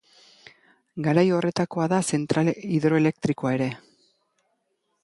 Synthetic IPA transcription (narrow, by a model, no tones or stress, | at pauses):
ɡaɾajo̞re̞t̪ako̞aðase̞nt̪ɾaliðɾo̞e̞le̞k̚t̪ɾiko̞ae̞ɾe̞